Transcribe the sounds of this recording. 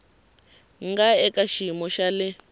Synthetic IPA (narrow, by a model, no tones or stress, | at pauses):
ŋɡaɛkaʃimɔʃalɛ